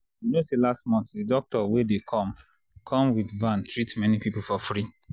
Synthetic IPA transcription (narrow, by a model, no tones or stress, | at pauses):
junoselastmɔ̃ntdidɔk̚tɔwedekʰɔ̃m | kʰɔ̃mwidvãntʰɹitmɛnipipulfɔfɹi